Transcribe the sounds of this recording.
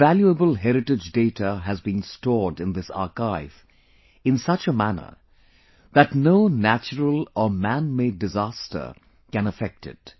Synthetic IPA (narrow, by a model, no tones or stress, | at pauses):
æljuəbəlˠɦɛɾɨʈɪd͡ʒdeɪtʰəɦɨzbĩːnstɔɹɖɨ̃nd̪ɪsɑ̰ɹkaɪv̥ | ɪ̃nsʌt͡ʃəmænə̰˞ | ðætnoʊnæt͡ʃəɾəlɔmæ̃nmeɪɖːɨzæstə̰˞ | kɨ̃nəfɛk̚tɪ̰t̚